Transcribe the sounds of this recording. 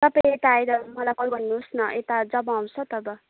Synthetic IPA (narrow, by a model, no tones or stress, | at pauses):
t̪ʌpaĩet̪aːjɾʌmʌlakʌbʱʌnːusnʌʔet̪ad͡zʌbʌ̃aw̃t͡sʰʌt̪ʌbʌ